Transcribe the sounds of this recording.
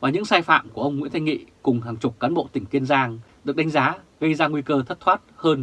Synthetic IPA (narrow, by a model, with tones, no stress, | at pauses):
vaː˨˩ɲɨ˧˥ŋsaː˧jfa̰ː˧˨mku˧˩əʔə˧wŋ͡mŋḭ˧˥nt̪ʰjŋḭ˧˨kʊ˨˩ŋ͡mhaː˨˩ŋt͡ɕʊ˨˩k͡p̚kaː˨˦nɓo̰˧˨t̪ï˧˩ŋ̟ki˧ənzaː˧ŋ | ɗɨ˨˩ək̚ɗa˨˦ŋzaː˨˦ | ɣə˧jzaː˧ŋwi˧kəː˧t̪ʰə˦˥t̚t̪ʰwaː˦˥t̚həː˧n